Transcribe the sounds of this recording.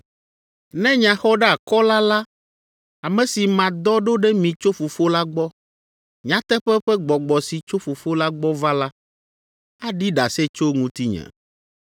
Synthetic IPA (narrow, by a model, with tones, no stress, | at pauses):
nɛ̃˦ɲã˨xɔ˦ɖɛ˦a˨kɔ˦la˦la˦ | a˨mɛ̃˨si˨mã˨d̪ɔ˦ɖo˦ɖɛ˦mĩ˨t͡ʃo˦fo˨fo˦la˦ɡ͡bɔ˦ | ɲã˨t̪ɛ˦ɸɛ˦ɸɛ˦ɡ͡bɔ˨ɡ͡bɔ˨si˨t͡ʃo˦fo˨fo˦la˦ɡ͡bɔ˦va˦la˦ | a˦ɖi˦ɖa˨se˦t͡ʃo˦ŋũ˦t̪i˦ɲɛ̰̃˨